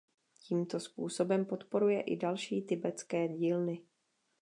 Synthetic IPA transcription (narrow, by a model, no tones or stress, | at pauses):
ciːmt̪o̞spuːso̞bɛmpo̞t̪po̞ɾujɛʔɪdalʃiːt̪ɪbɛt͡skɛːɟiːlnɪ